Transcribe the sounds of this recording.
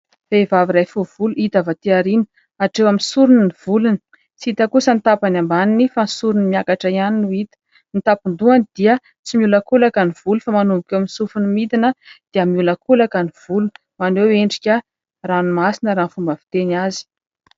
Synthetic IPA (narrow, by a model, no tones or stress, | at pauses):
fevaviɾajfuv̥uluit̪avat̪iaɾinə̥ | aʈ͡ʂewaminsuɾuniniv̥uluni̥ | t͡sit̪akusənit̪apanambaninifansuɾunimjakaʈ͡ʂaianinuit̪ə̥ | nit̪apund̪uanid̪̥iə | t͡simiuləkulakaniv̥ulufamanumbukʲewaminsufunimit̪inəd̪̥iəmiuləkulakaniv̥ulu | maneweɳɖ͡ʐikʲə | ranimasinəɾaːnfumbəvi̥t̪enazi̥